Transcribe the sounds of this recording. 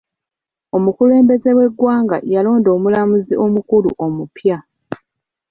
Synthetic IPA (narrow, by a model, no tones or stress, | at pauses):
o̞mukule̞ːmbe̞ze̞we̞ɡwaːŋɡa̰jalo̞ːndo̞ːmulamuziʔo̞mukulṵʔo̞mupja